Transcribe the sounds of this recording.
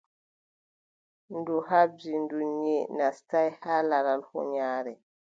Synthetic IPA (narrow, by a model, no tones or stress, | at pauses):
nduhabd͡ʒindunɲenastajhaːlaɾalhɔ̰ɲaːɾɛ